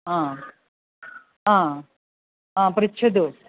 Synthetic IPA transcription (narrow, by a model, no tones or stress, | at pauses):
ãː | ãː | ãːpɐɾit͡ʃʰɐd̪u